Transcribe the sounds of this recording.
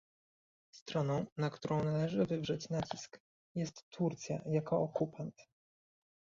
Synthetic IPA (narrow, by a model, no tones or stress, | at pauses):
st̪ɾɔnɔ̃w̃nakt̪uɾɔ̃w̃nalɛʐɘvɘvʐɛt͡ɕnat͡ɕisk | jɛst̪ːuɾt̪sʲja̰jakɔːkupʰant̪